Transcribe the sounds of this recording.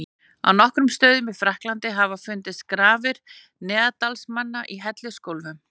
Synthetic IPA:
a̰wnɔhkɾʏmst̪œːɥðʏmɪðfɾahklant̪ɪɦavafʏnt̪ɪskɾaːvɪɾ̥ | nɛːðat̪alsmanːaʔiɦɛt̪lʏskowlvʏm

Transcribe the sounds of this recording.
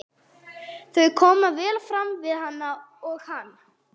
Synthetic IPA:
θœɥkʰɔːmavɛːlfɾamvɪðhanːa | ɔɣhanː

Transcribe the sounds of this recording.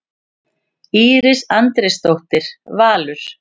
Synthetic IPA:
iːɾɪsant̪ɾɛst̪owht̪ɪɾ̥vaːlʏɾ̥

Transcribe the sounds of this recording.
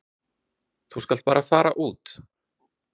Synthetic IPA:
θuskalt̪̚paːɾafaːɾa̰ʔuːt̪

